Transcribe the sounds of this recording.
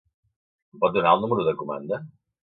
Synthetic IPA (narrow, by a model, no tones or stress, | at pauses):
pɔt̪̚d̪unaəlˠnuməɾuðəkuma̰nd̪ə